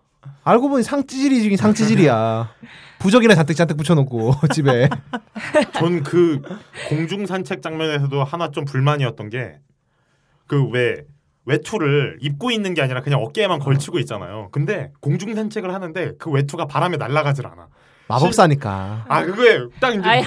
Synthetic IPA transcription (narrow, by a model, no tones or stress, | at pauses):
aɭɡoboɲisʰaŋt͡ɕ͈id͡ʑiɾid͡ʑiɡinsʰaŋt͡ɕ͈ʰid͡ʑiɾija | pud͡ʑʌɡinat͡ɕantʰekt͡ɕit͡ɕantʰɯk̚p͈ut͡ɕʰʌnokʰot͡ɕibe̞ | t͡ɕonkɯkoŋd͡ʑuŋsʰant͡ɕʰe̞k̚t͡ɕ͈aŋɲʌne̞s̬ʰʌdohanat͡ɕompuɭmaɲiʌt̚t͈ʌnɡe̞̰ | kɯwe̞ | we̞tʰuɾɯɭip̚k͈oinːɯnɡe̞aɲiɾakɯɲaŋʌk͈eːmankʌɭt͡ɕʰiɡoit̚t͡ɕ͈ana̰jo̰kɯnde̞koŋd͡ʑuŋsʰant͡ɕʰe̞ɡɯɭhanɯnde̞kɯwe̞tʰuɡapaɾamenaɭːaɡad͡ʑiɾa̰na̰ | ma̰bʌp̚s͈aɲik͈a̰akɯɡet͈aɡind͡ʑe